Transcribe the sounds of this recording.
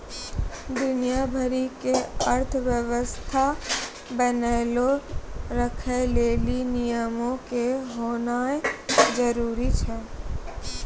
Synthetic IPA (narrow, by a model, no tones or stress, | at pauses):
d̪ʊnijabʱəɾikeəɾt̪ʰʋjəwəst̪ʰa | bɛneːloɾəkʰeleːlinijəmõkeɦoːnaːed͡ʒəɾuːɾit͡ʃʰɛː